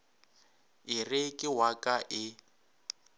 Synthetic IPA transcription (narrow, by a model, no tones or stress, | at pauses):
ɪrɪkʼɪwakʼaʔɪ